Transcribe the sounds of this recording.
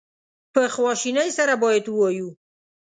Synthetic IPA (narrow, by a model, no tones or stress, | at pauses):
pəxwɑʃinəjsaɾabɑjad̪wəwɑju